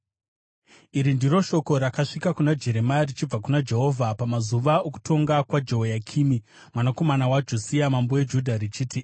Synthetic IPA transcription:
iɾindiɾo̞ʃo̞ko̞ɾakaʂikakunad͡ʒe̞ɾe̞marit͡ʃib͡vakunad͡ʒe̞ɦo̞vʱapamazuʋaoku̥tʰo̞ŋɡakwad͡ʒeɦojakʰimi | mwanako̞manawad͡ʒosiamambo̞wed͡ʒudʱaɾit͡ʃiːti

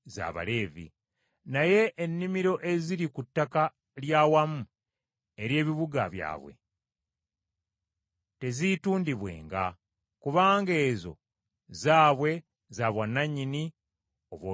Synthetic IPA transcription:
za̰βa̰le̞ːvḭ | naje̞ʔːnːimiɾo̞ʔe̞ziɾikutːaka | ljaːwamu | e̞ɾje̞ːβiβuɡaβja̰ːβwe̞̰ | te̞zituːndiβwe̞̰ːŋɡa | kuβaːŋɡe̞ːzo̞̰ | zaːβwe̞ | zaβwanːaɲːini | o̞βwoː

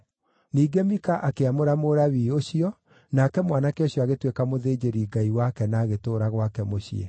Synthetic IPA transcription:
niːɡemikaʔakeamoɾamoɾaβiːoɕiɔ | nakɛmwanakeɔɕjɔaɣetwekamoðeːd͡ʑeɾiːɡaiwakɛnaːɣetoːɾaɣwakɛmoɕḭɛ̰

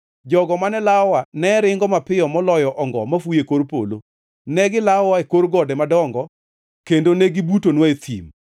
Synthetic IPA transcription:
d͡ʒɔɡɔmanɛlawanɛɾɪŋɡɔmapɪjɔmɔlɔjɔʔɔŋɡɔ̰mafujekoɾpo̰lo̰ | nɛɡɪlawaekoɾɡɔdɛmadɔŋɡɔ | kendoneɡibutonwaet̪ʰḭm

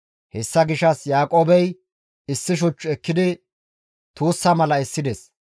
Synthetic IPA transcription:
hɛsːɐɡɪʃɐsjaːkʼoːbɛj | ɪsːɪʃ̬ʊt͡ʃːʊɛkːɪd̪ɪ | t̪uːsːɐmɐlɐɛsːɪd̪ɛs

